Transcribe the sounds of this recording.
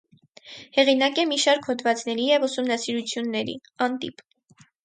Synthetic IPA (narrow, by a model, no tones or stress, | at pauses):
hɛʁinɑkɛmiʃɑɾkʰhɔd̪vɑt͡sn̪ɛɾijɛvusumnɑsiɾut͡sʰjunːɛɾḭɑnt̪ḭp